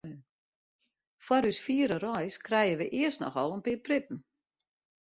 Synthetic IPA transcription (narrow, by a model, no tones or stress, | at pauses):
fwaɾysfiəɾərɔjskrɛjəʋəʔɪərstnɔ̰xɔlˠənpɪːprɪp̚n̩